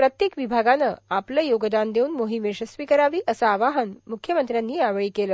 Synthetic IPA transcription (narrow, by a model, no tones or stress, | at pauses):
pɾət̪jekʋibʱaɡanəapləjoɡd̪and̪euːnmoɦimeɕəst̪ʋikəɾaʋiːʔəsaːʋaɦənmukʰjəmənt̪ɾjanːiːaʋɭiːkeləː